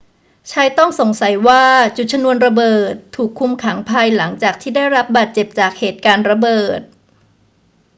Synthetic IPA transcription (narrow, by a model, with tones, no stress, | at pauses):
t͡ɕʰaː˧jt̪ɔ˥˩ŋso˩˦ŋsa˩˦jwaː˥˩t͡ɕu˨˩t̪̚t͡ɕʰa˧mnu˧ənɾa˧bɤː˨˩t̪ʰːuː˨˩kʰːu˧mkʰa˩˦ŋpʰa˧jla˩˦ŋt͡ɕaː˨˩k̚t̪ʰiː˥˩da˥˩jɾa˦˥p̚baː˨˩t̪̚t͡ɕe˨˩p̚t͡ɕaː˨˩k̚heː˨˩t̪̚kaː˧nɾa˧bɤː˨˩t̪̚